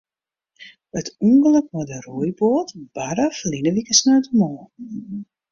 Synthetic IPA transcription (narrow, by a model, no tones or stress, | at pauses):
ətʰuŋɡələkmɔdəruəjboːtb̥aɾaflinəʋikəsnaːtəmɔː